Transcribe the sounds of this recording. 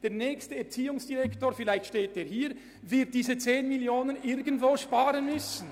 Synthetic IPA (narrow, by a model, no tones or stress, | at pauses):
d̥eːɐnɛːçstəɛɐt͡siːʊŋsd̥iʁɛktoːfɪlaɪçtʃteːteːɐhiːɾ | vɪɐt̚d̥iːzət͡seːnmiljoːnənʔɪɾɡəntvoːʃpaːʁənmʏsn̩